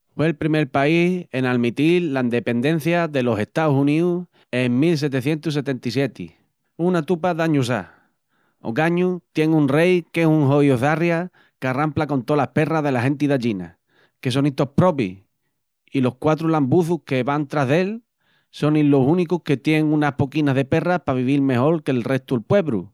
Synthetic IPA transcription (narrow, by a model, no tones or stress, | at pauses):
fwe̞ːlpɾime̞ɾpaihe̞nalmit̪ilaind̪e̞pe̞nd̪ẽ̞n̟θjaðe̞lose̞ht̪ausunĩu | eŋmils̬e̞t̪e̞θje̞nt̪us̬e̞t̪e̞nt̪isje̞t̪ḭ | unat̪upaðaɲus̬a̰ | o̰kaɲut̪je̞ŋunre̞jke̞suŋɦojoθarja | karamplako̞nt̪olahpe̞raðe̞laɦẽ̞nt̪̬iðaʎina̰ | ke̞s̬o̞nit̪o̞hpɾo̞pḭ | ilo̞hkwat̪ɾulambuθuhke̞βant̪ɾaɦðe̞l | so̞nilːo̞sunikuhket̪jeŋunahpo̞kinaɦðe̞pe̞rapaβiβ̞ilme̞ho̞lke̞lre̞ht̪uelpwe̞βɾṵ